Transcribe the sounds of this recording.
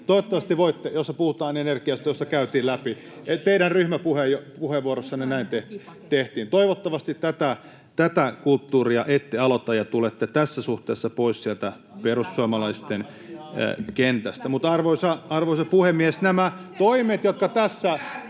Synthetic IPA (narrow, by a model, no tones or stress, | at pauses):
t̪oiʋot̪ːɑʋɑst̪iʋoit̪ːejosːɑpuhut̪ɑːnenerkiɑst̪ɑjosːɑkæyt̪iːlæpi | et̪eiɾænryhmæpuhejjopuheʋʋuoɾosːɑnenæint̪eht̪eht̪iːnt̪oiʋot̪ːɑʋɑst̪it̪t̪æt̪æ | t̪æt̪ækult̪ːuːriɑʔet̪ːeɑlot̪ɑjɑt̪ulet̪ːet̪æsːæsuht̪eːsːɑpoissielt̪æ | perussuɑmɑlɑist̪en̰ | kent̪æst̪æmut̪ɑrʋoisɑɑrʋoisɑpuhemːiesnæmæt̪oimet̪jot̪̚kɑt̪æsːæ